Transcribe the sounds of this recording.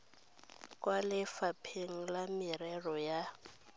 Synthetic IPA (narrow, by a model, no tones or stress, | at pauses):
kʼwalɪfapʰeŋ̩lamɪɾɛrɔja